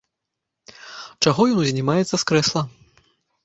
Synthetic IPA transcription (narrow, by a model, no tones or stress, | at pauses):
t͡ʂaɣɔjɔnuzʲnʲimajɛt̪sːɐskɾɛslˠɐ